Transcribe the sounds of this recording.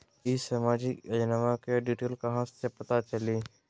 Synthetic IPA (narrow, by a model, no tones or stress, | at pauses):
ɪsəmaːd͡ʒɪkənəʋakeɖiːʈeːlkɐɦãssepɐt̪at͡ʃəliː